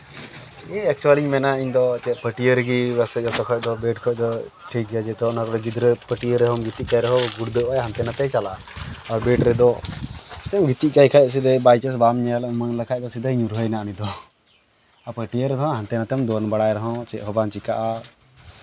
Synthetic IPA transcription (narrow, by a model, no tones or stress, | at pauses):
ɛɛk̚t͡ʃualiɲmɛnaiɲd̪ɔt̪ɛʔpəʈiəɾɡibasɛd͡ʒɔt̪ɔkʰɔd̪ɔbeʈkʰɔd̪ɔʈʰik̚d͡ʒad͡ʒɛt̪ɔnakɔɽɔd͡ʒid̪ɾəpəʈiəɾɛɔmɡʱit̪iʔkajɾɔɦɔ̃ɡuɽd̪əajɦant̪ɛnat̪ɛt͡ʃala | ɔɾbeʈɾɛd̪ɔ | st̪ɛmɡʱit̪iʔ̚kajkʰajs̬id̪ɛbajt͡ʃəs̬bamɲalmaŋləkʰajd̪ɔsid̪əɲũɾɦəjnaʔnid̪ɔ | apəʈijəɾɛd̪ɔɦɔ̃ɦant̪ɛnat̪ɛmd̪ɔnbaɽajɾɔɦɔ̃t͡ʃɛʔkʰɔbant͡ʃikaʔa